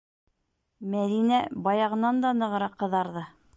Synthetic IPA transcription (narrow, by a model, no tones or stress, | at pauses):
mæðinæbɑjɑʁɤ̆nɑnd̪ɑnɤ̆ʁɤ̆ɾɑqːɤ̆ðɑɾðɤ